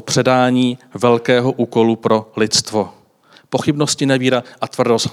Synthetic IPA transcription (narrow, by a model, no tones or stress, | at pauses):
pr̝̥ɛdaːɲiːvɛlkɛːɦo̞ʔuːko̞lupɾo̞lɪt̪st̪vo̞ | po̞xɪbno̞scɪnɛviːɾaʔat̪vr̩dos